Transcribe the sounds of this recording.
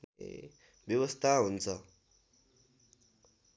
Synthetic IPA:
bjʌwʌst̪ʰaɦunt͡sʰʌ

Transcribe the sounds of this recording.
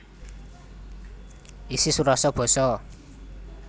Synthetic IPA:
isisuɾasɔb̥ɔ̤sɔ

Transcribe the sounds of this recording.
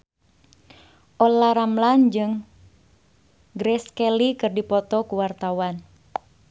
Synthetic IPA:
ʔɔlaɾamland͡ʒɨŋ | ɡɾɛskɛlikɨrdipɔt̪ɔkuwart̪awan

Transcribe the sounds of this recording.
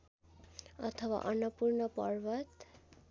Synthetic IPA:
ʌ̰t̪ʰʌwa̰ʔʌnʌpurnʌpʌ̰rbʌt̪

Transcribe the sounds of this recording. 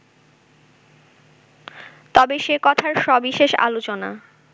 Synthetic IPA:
t̪ɔbeʃekɔt̪ʰaɾʃɔbiʃeʃa̰lot͡ɕona̰

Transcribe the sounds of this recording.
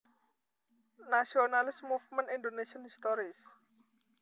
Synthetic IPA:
nasionalɪsmufmə̃nindonesɔnhist̪ɔɾis

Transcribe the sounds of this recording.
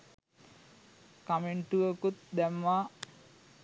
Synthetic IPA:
kameɳʈuʋəkut̪̚d̪æmʋa

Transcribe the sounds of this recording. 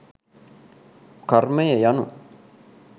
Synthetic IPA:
karmejejanṵ

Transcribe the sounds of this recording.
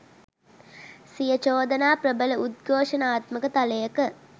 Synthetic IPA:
sijət͡ʃoːd̪ɐnaːprəbələʔud̪̚ɡoːʂɐnaːt̪məkət̪alejɐkə

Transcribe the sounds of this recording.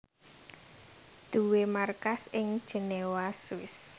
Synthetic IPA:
d̪̥ṳwemarkasɪŋd̥ʒ̥ə̤newaswɪs

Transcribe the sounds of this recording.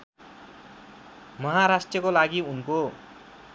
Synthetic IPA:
mʌɦaɾasʈrjʌkolaɡiunko

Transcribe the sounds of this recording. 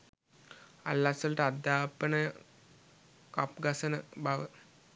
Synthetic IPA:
a̰lːasɐlɐʈəad̪aːpənə | kap̚ɡɐsɐnəbaʋə

